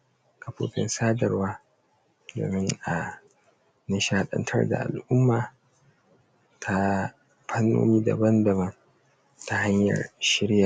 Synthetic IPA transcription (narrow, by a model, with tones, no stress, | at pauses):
ka˨ɸoː˨ɸɪ̰˦nsaː˦dɐ˨rwaː˦ | do̰ː˨mɪ˦ŋʔa˨ | nɪ˦ʃa˦hɗɐ̰˦ntʰɐ̰˦rda̰˨ʔa̰˨lʔʊ˦mːaː˨ | tʰa˦ | pʰɐ˦nːo̰ː˦miː˦da̰˨bɐ˦ndɐ˨bɐ˦n | ta˦ha˦ɲjɐ̰˨rʃɪ˦ɽja˨ʔ